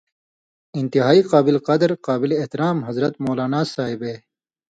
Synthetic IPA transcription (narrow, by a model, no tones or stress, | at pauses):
ɪnt̪iɦaːiqɑːbɪleqɐd̪ɾqɑːbɪleːht̪ɪɾaːmɦɐzɾɐt̪moːlaːnaːsaːɦibeː